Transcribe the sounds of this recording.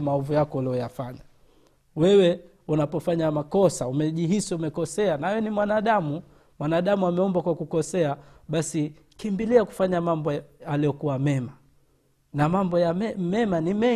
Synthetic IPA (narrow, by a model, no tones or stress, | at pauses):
maɔvujakɔuliɔjafaɲa | wɛwɛ | unapɔfaɲamakɔsaumɛʄiɦisiumɛkɔsɛanawɛnimwanaɗamu | mwanaɗamuamɛɔmbakwakukɔsɛaɓasi | kimbiliaku̥faɲamambɔaliɔkuwamɛma | namambɔjamɛmɛmanimɛ